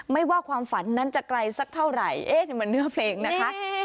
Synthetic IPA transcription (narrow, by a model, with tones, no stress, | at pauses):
ma˥˩jwaː˥˩kʰwaː˧mfa˩˦nːa˦˥nt͡ɕa˨˩kla˧jsa˦˥k̚t̪ʰa˥˩wɾa˨˩jʔeː˦˥˩t̪ma˧nːɯ˦˥ɐpʰleː˧ŋna˦˥kʰa˦˥